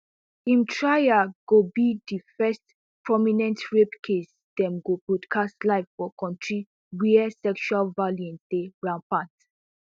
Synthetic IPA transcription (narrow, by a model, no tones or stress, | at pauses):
ĩmtʰɹajaɡ̥obidifɛst | pɹɔminɛ̃ntɹepkʰes | d̥ɛ̃mɡobodkʰastlaɪvfɔkɔ̃ntɹi | wiɛsɛkʃualvaljɔ̃ndeɹãnpãnt